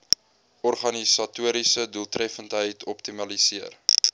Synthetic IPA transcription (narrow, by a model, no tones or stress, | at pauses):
ɔrχɐnisɐtuəɾisəduəlˠtrɛfəntɦəjtʰɔptimɐlisiər